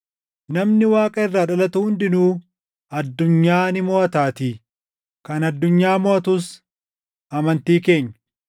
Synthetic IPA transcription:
nɐmnɪwaːkʼɐɪrːaːᶑɐlɐt̪ʊhʊnd̪ɪnuː | ɐd̪ːʊɲːaːnɪmoːɐt̪aːt̪iː | kɐnɐd̪ːʊɲːaːmɔɐt̪ʊs | ɐmɐnt̪iːke̞ːɲːɐ̥

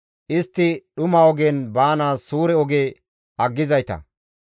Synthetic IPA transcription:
ʔɪst̪ːɪɗʊmɐɔɡenbaːnaːsuːɾɛɔɡeː | ɐɡːɪzɐjt̪ɐ̰

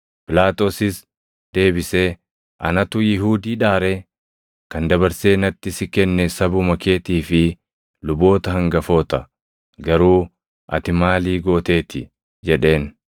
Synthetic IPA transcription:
pɪlaːt̪ʼo̞ːsɪs | d̪̥e̞ːbɪseː | ʔɐnɐt̪ʊjɪɦuːd̪iːᶑaːɾɛ | kɐnd̪ɐβɐɾseːnɐt̪ːɪsɪkɛnːɛsɐbʊmɐke̞ːt̪iːfɪ | lʊbo̞ːt̪ɐɦɐŋɡɐfoːt̪ɐ | ɡɐɾuː | ʔɐ̰t̪ɪmaːliːɡo̞ːt̪e̞ːt̪ɪ | d͡ʒɛᶑe̞ːn

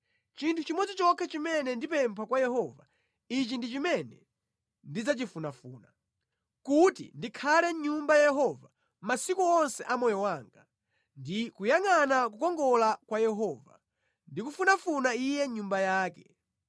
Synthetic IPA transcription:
t͡ʃintʰut͡ʃimɔd͡zit͡ʃɔkʰɛt͡ʃimɛnɛndipɛmpʰakwajɛhɔva̰ | it͡ʃindit͡ʃimɛnɛ | ndid͡zat͡ʃifunafuːna | kutḭndikʰalɛɲumbajajɛɦɔva | masikuɔnsɛʔamɔjɔwaːŋɡa | ndikujaŋanak̬ukɔŋɡɔlakwajɛɦɔːva̰ | ndikufunafunaijɛɲumbajaːkɛ

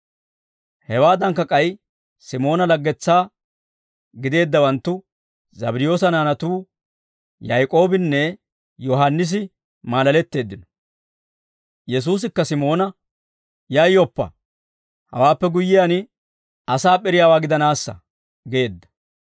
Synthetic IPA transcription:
hɛwaːd̪ɐŋkːɐkʼɐj | sɪmo̞ːnɐlɐɡːɛt͡sːaː | ɡɪd̪e̞ːd̪ːɐwɐnt̪ːʊ | zɐbɪɾɪjo̞ːsɐnaːnɐt̪uː | jɐjkʼo̞ːbɪnːɛ | jɔɦɐnːɪs̬ɪ | maːlɐlɛt̪ːe̞ːd̪ːɪnɔ̥ | jɛs̬uːs̬ɪkːɐsɪmo̞ːnɐ | jɐjːɔpːɐ̰ | hɐ̰waːpːɛɡʊjːɪjanɪ | ɐsaːpʼɛɾɪjaːwaːɡɪd̪ɐnaːsːɐ̰ | ɡe̞ːd̪ːɐ̥

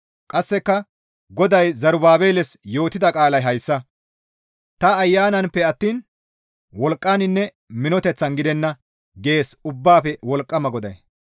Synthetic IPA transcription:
kʼɐsːɛkːɐ | ɡɔd̪ɐjzɐɾʊbaːbe̞ːlɛsjo̞ːt̪ːɪd̪ɐkʼaːlɐjɦɐjsːɐ | t̪ɐːjːaːnɐnpːɛɐt̪ːiːn | wɔlkʼːaːnɪnːɛ | mɪnɔt̪ɛt͡sːɐnɡɪd̪ɛnːɐ | ɡe̞ːsʊbːaːpɛwɔlkʼːɐmɐɡɔd̪ɐj

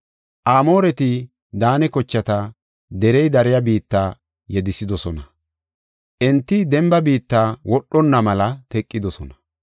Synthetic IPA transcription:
ʔaːmo̞ːɾɛt̪ɪ | d̪aːnɛkɔt͡ʃːɐt̪ɐ | d̪ɛɾɛjd̪ɐɾɪjɐbiːt̪ːaː | jɛd̪ɪsɪd̪ɔsɔnɐ | ʔɛnt̪ːɪd̪ɛmbɐbiːt̪ːaːwɔɗːɔnːɐmɐlɐt̪ɛkʼːɪd̪ɔsɔnɐ

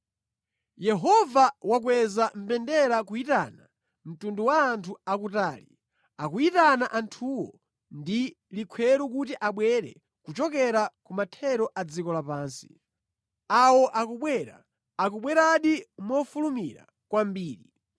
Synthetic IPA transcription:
jɛɦɔvawak̬wɛzam̩pɛndɛɾakuitana | m̩tunduwaːntʰuakutaːlḭ | akuitanaʔantʰuwɔ̰ | ndi | likʰwɛɾuk̬utiʔaɓwɛɾɛ̰ | kut͡ʃɔkɛɾakumatʰɛɾɔʔad͡zikɔlapaːnsi̥ | awɔʔakuɓwɛːɾa̰ː | k̬uɓwɛɾaɗimɔfulumiɾa̰ | kwambiːɾi

